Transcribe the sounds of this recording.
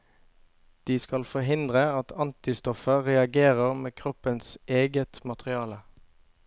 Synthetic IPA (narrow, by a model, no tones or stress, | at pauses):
d̪̥iːskɑlfɔɦɪnd̪ʁəɑt̪ʰɑnt̪ɪst̪ɔfəʁɛɑɡeːʁəʁmeːkʰʁɔpənsʔeːɡət̪mɑt̪ʁɪɑːlə